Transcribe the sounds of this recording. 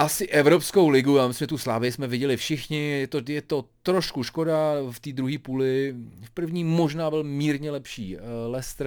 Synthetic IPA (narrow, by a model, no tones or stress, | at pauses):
ʔasɪʔɛvɾopsko̞wlɪɡʊjaːmɪslimʒɛt̪uslaːvɪjɪsmɛvɪɟɛlɪfʃɪxɲɪjɛt̪ojɛt̪ot̪ɾoʃkuʃko̞daft̪iːd̪ɾuɦiːpuːlɪfpr̩vɲiːmo̞ʒnaːbɪlmiːɾɲɛlɛpʃiːlɛst̪ɾ